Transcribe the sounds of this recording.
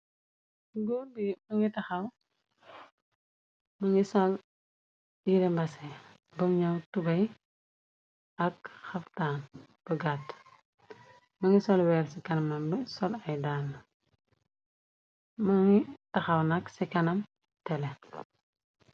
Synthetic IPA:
ɡodimɐŋitɐxɐw | mɐŋisɔl | jiɾɛmbɐsɛ | bɐmɲɐwtubɐj | ɐkxɐftaːn | b̥ɐɡat | mɐŋisɔlwɛɾsikɐnɐmɐmbisɔlɐjdaːlː | mɐŋitɐxɐwnɐksikɐnɐm | tɛlɛ

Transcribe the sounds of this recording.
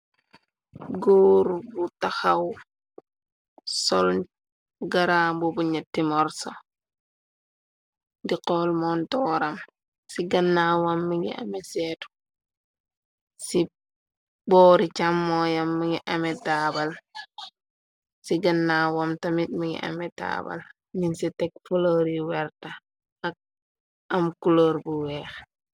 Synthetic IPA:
ɡoːɾbutaxaw | sɔl | ɡaɾabɔbuɲatːimɔɾso | diqɔlmɔntɔːɾam | siɡɐnːawamːiŋɡḭʔa̰mɛsɛtu̥ | si | bɔːɾit͡ʃamːɔjamːiŋɡiʔamɛtabal | siɡɐnːaːwamtamit̚miŋɡḭʔa̰mɛta̰ːba̰l | minsitɛk̚fuloɾiwɛɾta | ak̚ | amkuloɾbuwɛːx

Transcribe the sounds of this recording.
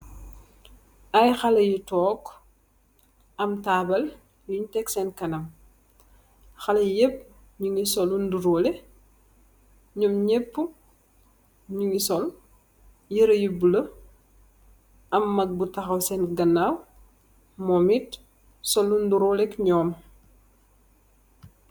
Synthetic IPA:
ʔɐjxɐlɐjitɔːk | ɐmtaːbɐl | juɲtɛksɛnkɐnɐm | xɐlɐjepː | ɲuŋisɔlunduɾoːlɛ | ɲɔmɲepːu | ɲuŋɡisɔl | jiɾɐjubulɐ | ɐmːɐk̚butɐxɐwsɛnɡɐnːaw | mɔmit | sɔlunduɾoːlɛkɲɔːm

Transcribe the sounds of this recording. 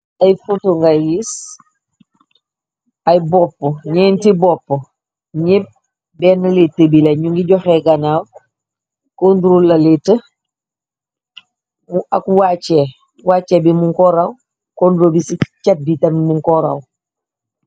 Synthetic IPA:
ajfutuŋɡajis | ɐjbɔpːoɲɛːntibɔpːo | ɲep̚ | bɛːnɐletːəbilɐɲuŋɡiɟɔxeɡɐnaːw | konduɾolɐletə | muʔakuwat͡ʃe | waːt͡ʃebimuŋkɔɾaw | kondɾoːbisit͡ʃɐt̚ditɐmimuŋkɔɾa̰w

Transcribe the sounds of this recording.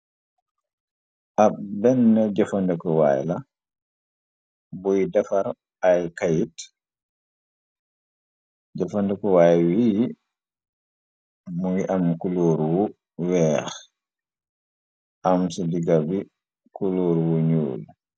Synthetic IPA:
ʔab̚bɛnːɛɟafandɛkɔwa̰jla | bɔjidafaɾ | ajkajit | ɟafandɛkɔwajwi | muɡiʔɐmkulɔːɾwu | wɛːx | ʔamsidiɡabi | kulɔːɾwuɲṵːl

